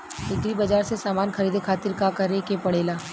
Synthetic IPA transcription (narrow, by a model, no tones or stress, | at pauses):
ɪk̪ɾibɐd͡ʒaːɾsesaːmaːnxɐɾiːd̪ʱekʰaːt̪ɪɾkakɐɾekepɐɽeːlaː